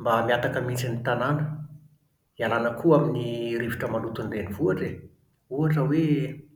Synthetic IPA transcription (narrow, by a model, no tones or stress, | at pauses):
mbamiat̪akəmit͡sinit̪ananə | ialanəkuaminiɾeviʈ͡ʂəmanut̪unlenivuaʈ͡ʂe | uaʈ͡ʂəwe